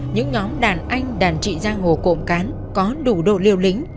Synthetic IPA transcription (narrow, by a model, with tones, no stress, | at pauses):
ɲɨ̰˧˥ŋɲɔ˨˦mɗaː˨˩nʔa˧jŋ̟ɗaː˨˩nt͡ɕḭ˧˨zaː˧ŋho˨˩ko̰˧˨mkaː˨˦n | kɔ˨˦ɗu˧˩ɗo̰˧˨li˧əwlï˧˨˦ŋ̟